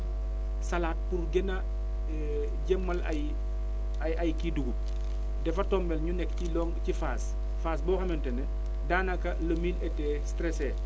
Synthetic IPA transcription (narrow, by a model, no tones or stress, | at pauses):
sɐlaːt̚purɡɛnɐ | ɟɛmːɐlɐ̰j | ɐjɐjkiduɡup̚ | dɛfɐtɔːmbɛlɲunɛkcilɔŋcifaːs | faːsbɔːxɐmɛntɛnɛ | daːnɐkɐlɐmiːlɛtɛːstɾɛsɛ